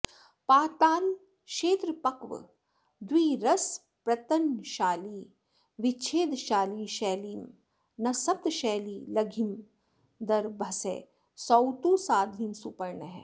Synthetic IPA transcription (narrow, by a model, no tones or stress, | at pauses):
paːt̪aːl | ʃeːt̪ɾəpɐkʋə̰ | d̪wiːɾɐs | pɾɐt̪ənʃaːliː | ʋɪt͡ʃʰeːd̪ʃaːliːʃɛːliːm | nɐsɐp̚t̪ʃɛːliːlɐɡʱim | d̪ɐɾbʱɐsḛː | sɐwt̪uːsaːd̪ʱimsupɐɾɳəɦɛ̰ː